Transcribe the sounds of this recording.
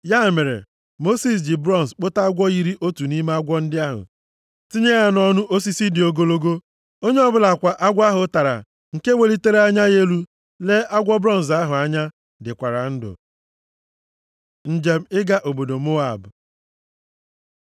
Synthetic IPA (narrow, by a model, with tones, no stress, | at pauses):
ja˦˨me˨ɾḛ˨ | mo˦si˨s̬dɪ˨bɾɔ˦˨n̩˨sk͡pʊ˦ta˦ɡʷɔ˦i˦ɾi˦ʔo˦tu˨ni˦me˦a˦ɡʷɔ˦n̩˦dɪ˦a˦ɦʊ̰˨ | ti˦ɲe˦ɣa˦nɔ˦nʊ˦ʔo˦s̬i˦si˦dɪ˨o˨ɡo˦lo˦ɡo˦ | o˦ɲe˦ɔ˦bʊ˦la˨kʷa˨ʔa˦ɡʷa˦ɦʊ˨˦ta˨ɾa̰˨ | ŋ̩˨ke˦we˨li˦te˦ɾe˦a˦ɲa˦je˦lu˦ | le˦a˦ɡʷɔ˦bɾɔ˦n̩˨s̬a˦ɦʊ˨a˦ɲa˦ | dɪ˨kʷa˨ɾa˨n̩˦dʊ̰˨ | n̩˨d͡ʒe˨m̩˦ɪ˦ɡa˦ʔo˨bo˨do˨mo˦a˨b